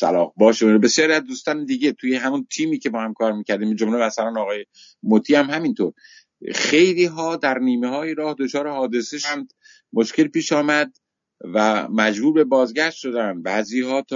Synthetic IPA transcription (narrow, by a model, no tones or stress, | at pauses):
sæ̰lɒːhbɒːʃibe̞sjɒːɾiæzd̪uːst̪ɒːned̪iːɟe̞t̪ʰuːjeɦæmunt̪ʰiːmiːcʰe̞bɒːhæmkʰɒːɾmiːcʲʰæɾd̪iːmid͡ʒomlebæsælæːnɒːɣɒːje | mot̪ʰiːhæmhæmint̪ʰo̰ɾ | xe̞jliːɦɒːd̪æɾniːmehɒːjeɾɒːhd̪ot͡ʃʰɒːɾehɒːd̪e̞seʃænd̪ | mo̞ʃke̞lpiːʃɒːmæd̪ | væmæd͡ʒbuːɾbe̞bɒːzɡæʃt̪ʃo̞d̪ænbæːziːhɒːt̪